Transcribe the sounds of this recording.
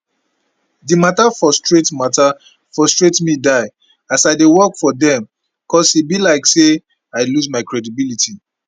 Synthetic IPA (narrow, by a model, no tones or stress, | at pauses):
dimatafɹɔstɹetmata | fɹɔstɹetmidaɪ | asaɪdewɔkfɔdɛ̃m | kʰɔsibilaɪkse | aɪluzmaɪkɹɛdibilitʰi